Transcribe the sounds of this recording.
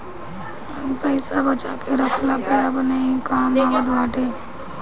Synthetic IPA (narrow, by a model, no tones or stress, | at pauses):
əpəɪsabət͡ʃa̰keɾəkʰlapəjabənaikaːmaʋəd̪ʱʋaːʈeː